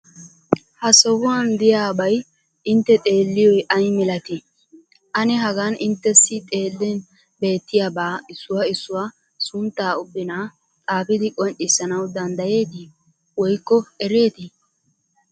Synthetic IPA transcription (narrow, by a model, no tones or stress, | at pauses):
hɐsɔhʊwɐnd̪ɪjaːbɐj | ʔɪnt̪ːɛt̪ʼe̞ːlːɪjɔjʔɐjmɛlɐt̪ɪ | ʔɐnɛɦɐɡanɪnt̪ːɛsːɪt̪ʼe̞ːlːɛn | be̞ːt̪ːɪjabaːɪsːʊwɐɪsːʊwa | sʊnt̪ːaːʊbːɪna | tʼaːpɪd̪ɪkʼɔnʔɪsɐnɐwd̪ɐnd̪ɐje̞ːt̪ɪ | wɔjkːɔɛɾeːt̪ɪ